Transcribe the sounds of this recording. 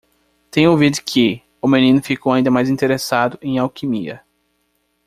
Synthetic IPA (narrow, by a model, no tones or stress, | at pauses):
t̪ẽj̃ʊowvid̪ʊkʰɪ | ʊmẽnĩnʊfikowaĩd̪ɐmajzĩt̪eɾesad̪ʊʔẽj̃awkimiɐ̰